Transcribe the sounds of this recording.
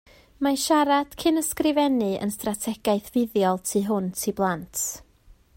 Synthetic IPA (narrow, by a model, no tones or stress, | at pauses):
maʃaɾad̥kʰɪnəskrɪvɛnɨʔə̰nstratʰɛɡ̥aɨθvɪðjɔlˠtʰiːɦʊntʰiblˠantʰ